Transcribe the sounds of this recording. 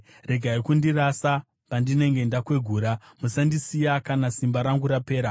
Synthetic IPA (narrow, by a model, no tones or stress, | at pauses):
re̞ɡʱaikundirasa | pandine̞ŋɡe̞ndakwe̞ɡʱuːɾamusandisijakanasimbaɾaŋɡuɾape̞ːɾa